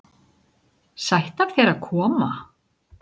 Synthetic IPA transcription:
sajht̪akθɛɾaðkʰɔːma

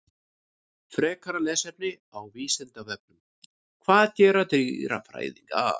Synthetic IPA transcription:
fɾɛːkʰaɾalɛːsɛpnɪ | awviːsɪnt̪avɛp̚nʏm | kʰvaːðcɛːɾat̪ɾiːɾa̰fɾa̰ːjðḭŋka̰

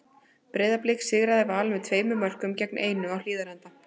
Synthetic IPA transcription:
pɾeːjðaplejksɪɣɾaðɪvaːlvɛt̪ʰveːjmʏmœr̥kʏmcɛknʔeːjnʏawl̥iːðalɛnt̪a

